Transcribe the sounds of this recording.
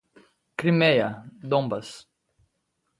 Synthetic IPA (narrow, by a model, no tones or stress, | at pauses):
kɾimejɐd̪õmbɐs